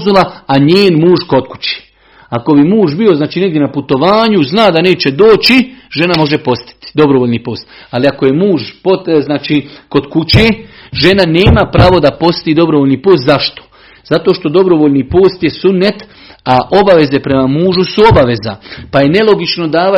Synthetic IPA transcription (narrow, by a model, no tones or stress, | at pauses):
zulaaɲeːnmuːʒko̞d̪ku̥t͡ɕe̥ː | ako̞bimuːʒbio̞znaːt͡ʃiːne̞ɡdje̞naput̪o̞ʋaːɲuznaːd̪ane̞ːt͡ɕe̞d̪oːt͡ɕiʒe̞namo̞ʒe̞po̞st̪i̥t̪i̥d̪o̞bɾoʋoʎniːpo̞ːst̪aliako̞je̞muːʒpoznaːt͡ʃiːko̞d̪kut͡ɕeːʒe̞nane̞ːmapɾaːʋo̞d̪apo̞st̪iːd̪o̞bɾoʋolniːpoːst̪zaʃt̪o̥ | z̥at̪oʃt̪o̞d̪o̞bɾo̞ʋoːʎniːpoːst̪je̞sunːet̪ | aʔo̞baʋe̞ze̞pɾe̞mamuːʒusuo̞baʋe̞za̰paje̞ne̞lˠo̞ɡit͡ʃno̞d̪aːʋa